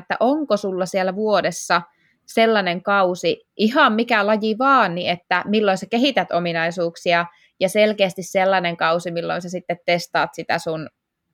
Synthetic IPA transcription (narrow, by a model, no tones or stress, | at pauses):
t̪ːæ̰ʔoŋkosulːɑsielːæʋuodesːɑ | selːɑneŋkɑusi | ʔihɑmmikælɑjiʋɑːnniet̪ːæmilːoisekeɦit̪æt̪ominɑisuːksiɑ | jɑselkeːst̪isselːɑneŋkɑusimilːo̰insɑsit̪ːet̪test̪ɑ̰ːt̪sit̪æ̰sun